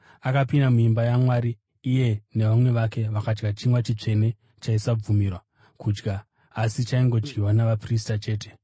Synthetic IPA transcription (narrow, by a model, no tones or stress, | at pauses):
akapindamuimbajamwaːɾiː | je̞ne̞ʋamwe̞ʋake̞ʋakad͡ʒɡat͡ʃimwat͡ʃit͡ʂe̞ne̞ | t͡ʃaisab͡vumirwa | kuːd͡ʒɡaː | sit͡ʃaiŋɡo̞d͡ʒɡiwanaʋapris̬tat͡ʃe̞ːte̞̥